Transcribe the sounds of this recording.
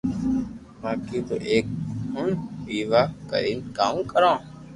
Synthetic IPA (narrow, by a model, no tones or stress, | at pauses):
mãːkiːt̪o̰ːʔeːk̚ɦʊnʋiːʋaːkə̰ɾiːnkaːũkəɾãː